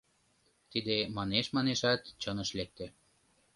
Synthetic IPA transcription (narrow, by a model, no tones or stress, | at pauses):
t̪id̪emɑneʃmɑneʃɑt̪t͡ɕɤnəʃlek̚t̪e